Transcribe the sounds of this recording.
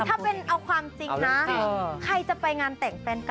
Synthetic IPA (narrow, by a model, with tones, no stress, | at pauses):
t̪ʰaː˥˩pe˧nʔa˧wkʰwaː˧mt͡ɕi˧ŋna˦kʰa˧jt͡ɕa˨˩pa˧jŋaː˧nt̪ɛː˨˩ŋfɛː˧nk